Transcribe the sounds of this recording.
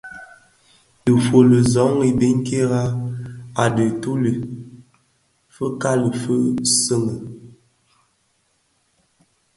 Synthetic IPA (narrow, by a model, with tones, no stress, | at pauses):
də˨fə˨lə˨zɔ˨˦ŋi˨be˦ŋ˦ke˦ɣa˦ | a˨də˨tu˦lə˨ | fə˦ka˦lə˨fə˦sə˦ŋə˨